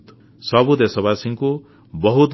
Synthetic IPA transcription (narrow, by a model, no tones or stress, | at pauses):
t̪ | sʌbud̪esʌbasiŋko | bʌɦut̪